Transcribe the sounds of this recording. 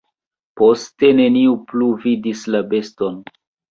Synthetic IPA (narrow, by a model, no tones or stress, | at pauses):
po̞ste̞ne̞niupluvidislabe̞sto̞n